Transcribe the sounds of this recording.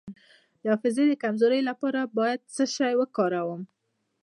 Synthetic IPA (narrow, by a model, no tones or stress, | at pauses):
d̪̥əɑfɪzed̪əkamzoɾəjlapɑɾabɑjad̪̚səʃajwəkɑɾawəm